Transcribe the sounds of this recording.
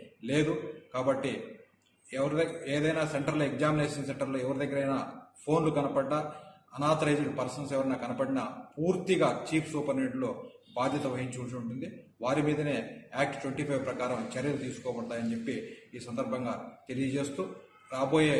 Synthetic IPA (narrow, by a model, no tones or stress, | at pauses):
le̞ːd̪ukaːbɐʈːi | ɛʋɐɾɐeːd̪ɐjnaːse̞ɳʈɐɾloeɡd͡ʒaːmineːʂɐnseɳʈɐɾloːɛʋɐɾud̪ɐɡːɐɾɐjnapʰo̞ːnlukɐnɐpɐɖːaː | ɐnaːt̪ɐɾɐjd͡ʒɐnpɐɾsɐnsɛʋɐɾɐnaːkɐnɐpɐɽinɐpuːɾt̪iɡaːt͡ʃiːpʰsuːpɐɾneʈlo̞ːbaːd̪ʱjɐt̪ɐʋɐɦiɲt͡ʃut͡ʃɐuɳʈund̪iʋaːɾimiːd̪ɐneːaːk̚ʈt̪ʋɐɳʈiːpʰɐjʋpɾɐkaːɾɐmt͡ʃɐɾjɐlut̪iːsu̥kɔːbɐɽt̪aːjɐnit͡ʃe̞pːiːsɐnd̪ɐɾbʱɐŋɡaːt̪e̞lijɐd͡ʒe̞ːst̪uː | ɾaːbo̞ːjeː